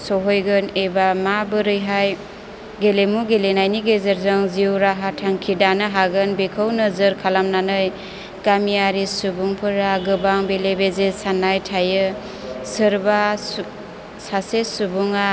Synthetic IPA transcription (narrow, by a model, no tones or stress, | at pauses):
sɔɦojɡɯnebamabɯɾɯjɦaj | ɡelemuɡelenajniɡezɯɾzɯŋziwɾaɦatʰaŋkʰidanɯɦaɡɯnbekʰɯwnɯzɯɾkʰalamnanɯj | ɡ̥amijaɾisubuŋpʰɯɾaɡɯbaŋbelebezesanajtʰajɯ | sɯɾba | sasesubuŋa